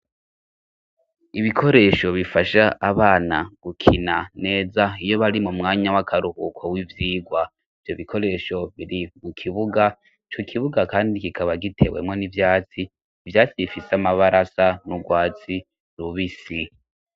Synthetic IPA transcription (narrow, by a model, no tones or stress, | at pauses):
iβikʰo̞ɾe̞ʃo̞βifaʃaaβaːna̰ɡ̥ukʰinane̞ːzaijo̞βaɾimumŋaːɲawakʰaɾuhukʰowivjiːɡwa | ivjo̞βikʰo̞ɾe̞ːʃo̞βiɾimukʰiβuɡa | t͡ʃokʰiβuɡakaːndikikʰaβaɡitʰe̞̰we̞̰mŋo̞nivjaːt͡siː | vjaːt͡siβifiseamaβaɾʔasanuɡwaːt͡si | ɾuβisi